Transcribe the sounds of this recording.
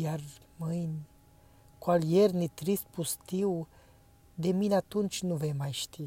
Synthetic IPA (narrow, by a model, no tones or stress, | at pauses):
jar | mɨjnʲ | koaljernit̪ɾist̪̚pust̪iw | d̪e̞mineat̪unt͡ʃʲnuvemajʃt̪i